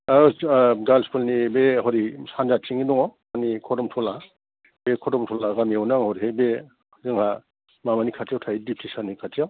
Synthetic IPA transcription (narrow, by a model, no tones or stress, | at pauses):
aɡalskulnibeɦɔɾisand͡ʒat͡ʃiŋidɔŋɔ | anikʰɔdɔmtʰɔla | bekʰɔdɔmtʰɔlaɡamiawnaŋhɔɾihebe | zɯŋha | mamanikʰatʰijawtʰajdip̚ʰtʰisanikʰatijaw